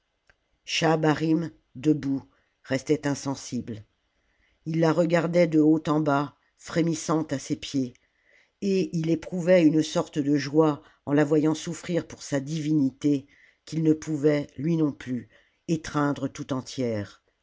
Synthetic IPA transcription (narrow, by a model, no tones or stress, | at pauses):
ʃabaʁim | d̪əbu | ʁɛst̪ɛt̪ɛ̃sɑ̃sibl | ilːaʁəɡaʁd̪ɛd̪əot̪ɑ̃ba | fχemisɑ̃t̪asepje | eilepχuvɛynəsɔʁt̪əd̪əʒwa | ɑ̃lavwajɑ̃sufχiʁpuʁsad̪ivinit̪e | kilnəpʰuvɛlɥinɔ̃ply | et̪χɛ̃d̪ʁət̪ut̪ɑ̃t̪jɛːʁ